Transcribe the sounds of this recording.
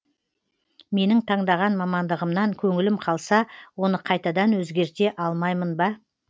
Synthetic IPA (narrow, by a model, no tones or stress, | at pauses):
me̞nɪŋt̪ʰɑɴd̪ɑʁɑnmɑmɑnd̪əʁəmnɑŋkʲʰɵŋɪlɪmqʰɑlˠsɑwo̞nəqʰɑjt̪ɑd̪ɑnwɵzɡʲe̞ɾt̪e̞ʔɑlˠmɑjmənbɑ